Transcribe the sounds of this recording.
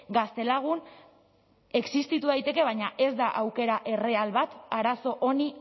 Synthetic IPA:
ɡast̪e̞laɣ̞un | e̞ksist̪it̪uðajt̪e̞ke̞β̞aɲaʔe̞zd̪aʔawke̞ɾaʔe̞realβat̪aɾaso̞ʔo̞ni

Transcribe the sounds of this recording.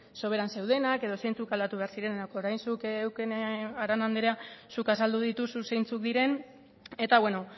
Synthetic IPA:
so̞β̞e̞ɾanse̞wð̞e̞nake̞ð̞o̞se̞jnt͡sukald̪at̪uβe̞aɾsiɾe̞nnako̞ɾajnsukːwkeneaɾanand̪eɾeasukasald̪uðit̪ususe̞jnt͡sukd̪iɾe̞n | e̞t̪aβwe̞no̞

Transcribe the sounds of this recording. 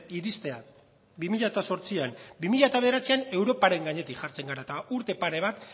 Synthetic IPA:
iɾist̪e̞a | bimiʎat̪aso̞ɾt͡siambimiʎat̪aβðeɾat͡siane̞wɾo̞paɾe̞ŋɡaɲe̞t̪ikʝaɾt͡se̞ŋɡaɾat̪auɾt̪e̞paɾe̞β̞at̪

